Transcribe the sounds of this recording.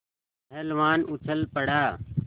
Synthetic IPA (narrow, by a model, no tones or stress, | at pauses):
elʋaːnʊt͡ʃʰəlpəɽ̤aː